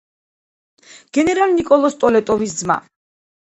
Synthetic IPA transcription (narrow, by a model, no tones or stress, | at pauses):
ɡ̥ɛnɛɾalnikʼɔlˠɔst̪ʼɔlɛt̪ʼɔvisd̪zma̰